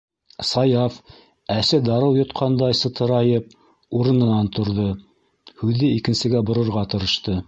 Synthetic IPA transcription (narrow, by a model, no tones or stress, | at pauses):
sɑjɑf | æsɘd̪ɑɾɤwjŏt̪qʰɑnd̪ɑjsɤ̆t̪ʰɤ̆ɾɑjɤp̚ | uɾɤ̆nɤ̆nɑnt̪ŏɾðo | hʉðɘikɘ̆nsɘ̆ɡæbŏɾɤ̆ɾʁɑt̪ɤ̆ɾɤ̆ʃt̪ɤ